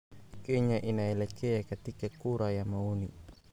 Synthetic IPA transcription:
keɲaʔinaelekeakat̪ikekuɾajamauni

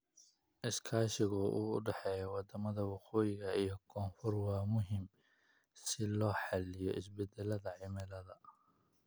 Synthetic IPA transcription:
ʔɪskʰaːʃɪɣʊʔṵːʊ̰ɖɛħɛːjɔwɑd̪ɐmɐðɐwɑqɔːjɪɣɐijɞkʰɔːnfɔrwɑːmʊɦɪm | sɪlɔːħɑlɪjɔʔɪsbɛd̪ɛlɐðɐʕɪmɛlɐðɐ

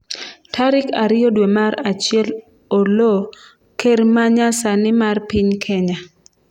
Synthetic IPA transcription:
tʰaɾɪkaɾɪjodwemaɾat͡ʃɪɛl | olo | kermaɲasanɪmarpɪɲkʰɛɲa

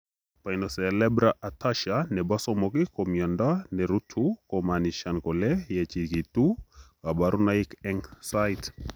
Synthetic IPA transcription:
painɔsɛlɛbɾaʔataʃanɛbasɔmɔkikɔmjɔndanɛɾutʰukɔmaniʃankɔlɛjɛt͡ʃikitu | abaɾunaikɛŋsajt

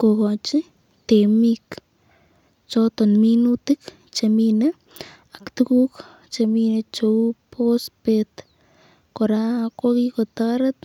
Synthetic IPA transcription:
kokot͡ʃi | t̪emik | t͡ʃot̪onminut̪ik | t͡ʃemina | akt̪ukuk | t͡ʃeminet͡ʃoupʰospet̪ | koɾakakikot̪aaɾat̪

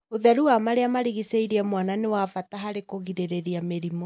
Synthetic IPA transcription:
oðɛɾuamaɾeamaɾiɣiseiɾiɛmwananewafataɦaɾekoɣiɾeɾeɾiameɾimo

